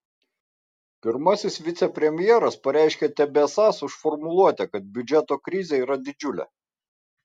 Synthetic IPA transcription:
pʲɪɾmɐsʲɪsʋʲɪt̪sʲɛpʲɾʲɛmʲɪjɛːɾɐspɐɾʲæˑɪʃʲkʲɛt̪ʲɛbʲɛsɑsʊʃfɔɾmʊlˠuɔt̪ʲɛkɐt̪̚bʲʊd͡ʒʲɛt̪oːkɾʲɪzʲɛiːɾɐd̪ʲɪd͡ʒʲʊlʲɛ̰

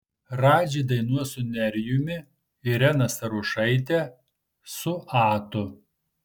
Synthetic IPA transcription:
ɾɑːd͡ʒʲid̪ɐɪnuɔsʊnʲɛɾʲjʊmʲɪ | ɪɾʲɛnɐsɐɾʊʃɐɪt̪ʲɛ | sʊʔɑːt̪ʊ

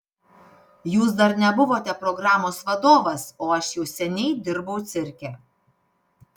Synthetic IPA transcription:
juːs̬d̪ɐɾnʲɛbʊʋoːt̪ʲɛpɾɔɡɾɑːmoːsʋɐd̪oːʋɐsoːɐʃjɛʊsʲɛnʲɛɪd̪ʲɪɾbɐʊt̪sʲɪɾʲkʲɛ

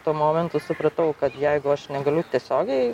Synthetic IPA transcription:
t̪uːmoːmʲɛnt̪ʊsʊpɾɐt̪ɐʊkɐt̪jæɪɡʊɐʃnʲɛɡɐlʲʊt̪ʲiɛsʲoːɡʲɛɪ

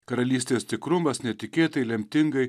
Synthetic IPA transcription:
kɐɾɐlʲiːsʲt̪ʲeːst̪ʲɪkɾʊmɐsnʲɛt̪ʲɪkʲeːt̪ɐɪlʲɛmʲt̪ʲɪŋɡɐɪ

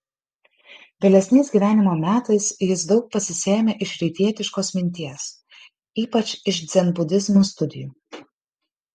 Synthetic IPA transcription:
ʋʲɛlʲɛsʲnʲɛɪsʲɡʲiːʋʲæːnʲɪmoːmʲæːt̪ɐɪsjɪsd̪ɒʊk̚pɐsʲɪsʲeːmʲeʔɪʃɾʲɛɪt̪ʲiɛt̪ʲɪʃkoːsmʲɪnʲt̪ʲiɛs | iːpɐt͡ʃɪʃd̪zʲɛnbʊd̪ʲɪzmust̪ʊd̪ʲɪjuː

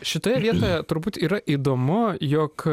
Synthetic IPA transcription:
ʃʲɪt̪oːjɛʋʲiɛt̪oːjɛt̪ʊɾbuːt̪iːɾɐʔiːd̪oːmʊjoːk

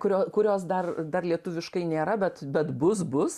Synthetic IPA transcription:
kʊɾʲoːkʊɾʲoːsd̪ɐrd̪ɐrlʲiɛt̪ʊʋʲɪʃkɐɪnʲeːɾɐbʲɛt̪bʲɛt̪bʊs̬bʊs

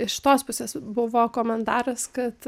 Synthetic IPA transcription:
ɪʃʃʲɪ̥t̪oːspʊsʲeːsbʊʋoːkoːmʲɛnt̪ɑːɾɐskɐt̪

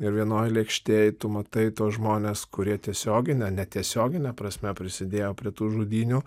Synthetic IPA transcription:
ɪɾʋʲiɛnoːjlʲiɛkʃʲt̪ʲeːjt̪ʊmɐt̪ɐɪt̪uɔsʒmoːnʲeːskʊɾʲiɛt̪ʲiɛsʲoːɡʲɪnʲɛnʲɛt̪ʲiɛsʲoːɡʲɪnʲɛpɾɐsʲmʲɛpʲɾʲɪsʲɪd̪ʲeːjoːpʲɾʲiɛt̪uːʒuːd̪ʲiːnʲʊ

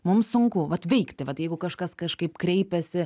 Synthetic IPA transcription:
mʊmssʊŋkʊʋɐt̪ʋʲɛɪkt̪ʲɪʋɐt̪jɛɪɡʊkɐʃkɐskɐʃkɐɪpkɾʲɛɪpʲɛsʲɪ

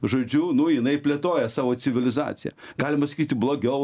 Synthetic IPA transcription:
ʒoːd͡ʒʲunʊjɪnɐɪpʲlʲeːt̪oːjɛsɑːʋoːt͡ssʲɪʋʲɪlʲɪzɑ̰ːt̪sʲɪjɛ̰ɡ̥ɑːlʲɪmɐsɐ̥kʲiːt̪ʲɪblˠoːɡʲɛʊ

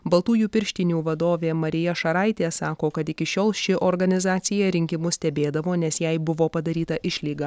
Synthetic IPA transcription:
bɐlˠt̪uːjuːpʲɪɾʲʃʲt̪ʲɪnʲuːʋɐd̪oːʋʲeːmɐɾʲɪjɛʃɐɾɐɪt̪ʲeːsɑːkoːkɐt̪ɪkʲɪʃʲoːlˠʃʲɪʔoːɾɡɐnʲɪzɑːt̪sʲɪjɛɾʲɪŋʲkʲɪmʊsʲt̪ʲɛbʲeːd̪ɐʋoːnʲɛsjɛɪbʊʋoːpɐd̪ɐɾʲiːt̪ɐʔɪʃʲlʲiːɡɐ

